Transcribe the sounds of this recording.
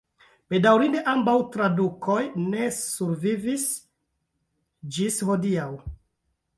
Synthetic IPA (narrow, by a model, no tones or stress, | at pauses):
b̥edawɾinde̞ʔambawtɾadukʰo̞jne̞suɾvivis | d͡ʒisho̞diaw